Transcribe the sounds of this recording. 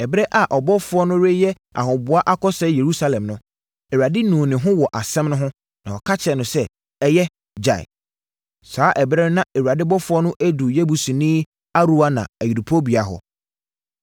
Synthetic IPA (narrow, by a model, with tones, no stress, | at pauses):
ɛ˨bɾɛ˦ʔa˨ʔɔ˨bɔ˦fʊ˦ɔ˦nʊ̃˦ɾe˦jɛ˦ | a̰˨ɦʊ̃˨bʊ˨a˦ʔa˦kɔ˦sɛ˨˦je˨ɾu˦sa˦lɛ̃˨mnʊ̃˦ | ɛ˨wɾa˨dɪ˦nũː˨nɪ̃˨ɦʊ̃˦wɔ˨ʔa˨sɛ̃˦mnʊ̃˦ɦʊ̃˦ | nã˨ɔ˨kʰa˦t͡ɕʰɛ˨nʊ̃˨sɛ˦ | ɛ˦jɛ˦ | d͡ʑa̰˨ɪ̰˨ | saː˨˦ʔɛ˨bɾɛ˦nã˦ɛ˨wu˨a˨dɪ˦bɔ˦fʊ˦ɔ˦nʊ̃˦ʔæ˦du˨jɛ˦bu˨sĩ˨nĩː˦ | a˦ɾu˦a˦nã̰˨æ˨ji˨du˨pʰo˦bi˨a˨ɦɔ̰˨